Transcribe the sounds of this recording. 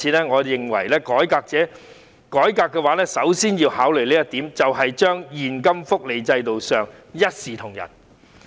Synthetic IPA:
iː˨˧nɛː˥ŋɔː˨˧jɪ˨ŋwɐ̰˨˩jlɛː˥kɔː˨˥jkaː˧k̚t͡sɛː˨˥ | kɔː˨˥jkaː˧kːɛː˧waː˨˧˥lɛː˥sɐ˨˥wsiː˥njiː˧whaː˨˥wlɵ˨˩jliː˥jɐ˥t̪iː˨˥mt͡sɐ˨wɦɐ˨jt͡ʃœː˥ŋjiː˨˩nkɐ˥mfʊ˥k̚le˨˧jt͡sɐ˧jt̪o˨wsœː˨ŋjɐ˥t̚siː˨t̪ʰʊ˨˩ŋjɐ̰˨˩n

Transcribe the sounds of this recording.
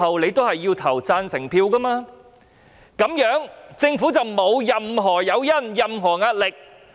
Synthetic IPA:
ɐ˨wle˨˧jt̪o˥whɐ˨jːiː˧wt̪ʰɐ˨˩wt͡saː˧nsɪ˨˩ŋpʰiː˧wkɐ˥maː˧ | kɐ˨˥mjœː˨˥ŋt͡sɪ˧ŋfu˨˥t͡sɐ˨˩wmo˨˧wjɐ˨mɦɔː˨˩jɐ˨˧wjɐ˥njɐ˨mɦɔː˨˩ŋaː˧t̚lɪ˨k̚

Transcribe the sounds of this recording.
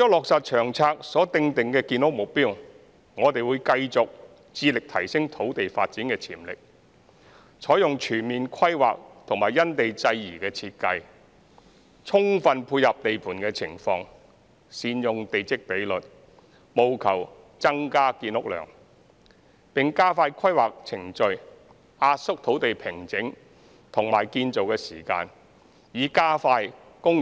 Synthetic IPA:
jɔː˥lɔː˨k̚sɐ˨t̚t͡ʃʰœː˨˩ŋt͡sʰaː˧k̚sɔː˨˥t̪ɪ˧ŋt̪ɪ˨ŋkɛː˧kiː˧nʊ˥k̚mʊ˨k̚piː˥w | ŋɔː˨˧t̪e˨jwuː˨˧jkɐ˧jt͡sʊ˨k̚ | t͡siː˧lɪ˨k̚t̪ʰɐ˨˩jsɪ˥ŋt̪ʰo˨˥wt̪e˨jfa̰ː˧t̚t͡siː˨˥nkɛː˧t͡sʰiː˨˩mlɪ̰˨k̚ | t͡sʰɔː˨˥jʊ˨ŋt͡ʃʰyː˨˩nmiː˨nkʷʰɐ˥jwa̰ː˨k̚t̪ʰʊ˨˩ŋmaː˨˩jːɐ˥nt̪e˨jt͡sɐ˧jːiː˨˩kɛː˧t͡sʰiː˧t̚kɐ˧j | t͡sʰʊ˥ŋfɐ˧npʰuː˧jjɐ˨p̚t̪e˨jpʰuː˨˩nkɛː˧t͡sʰɪ˨˩ŋfɔː˧ŋ | siː˨˧njʊ˨ŋt̪e˨jt͡sɪ˥k̚pe˨˥jlɵ˨t̚ | mo˨˧wkʰɐ˨˩w | t͡sɐ˥ŋkaː˥kiː˧nʊ˥k̚lœ̰ː˨˩ŋ | pɪ˨ŋkaː˥faː˧jkʷʰɐ˥jwaː˨k̚t͡sʰɪ˨˩ŋt͡ʃɵ˨ɥ | aː˧t̚sʊ˥k̚t̪ʰo˨˥wt̪e˨jpʰɪ˨˩ŋt͡sɪ˨˥ŋ | t̪ʰʊ˨˩ŋmaː˨˩jkiː˧nt͡so˨wkɛː˧siː˨˩ka̰ː˧n | jiː˨˧kaː˥faː˧j | kʊ˥ŋ

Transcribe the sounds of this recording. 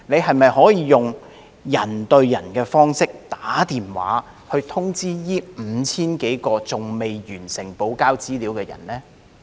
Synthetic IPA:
ne˨˧jɦɐ˨jmɐ˨jhɔː˨˥jiː˨˧jʊ˨ŋ | jɐ˨˩nt̪ɵ˧ɥjɐ˨˩nkɛː˧fɔː˥ŋsɪ˥k̚t̪aː˨˥t̪iː˨nwa̰ː˨˥ | hɵ˧ɥt̪ʰʊ˥ŋt͡siː˥jiː˥m̩˨˧˦t͡sʰiː˥nke˨˥jkɔː˧t͡sʊ˨ŋme˨jjyː˨˩nsɪ˨˩ŋpo˨˥wkaː˥wt͡siː˥liː˨˥wkɛː˧jɐ̰˨˩nlɛː˥

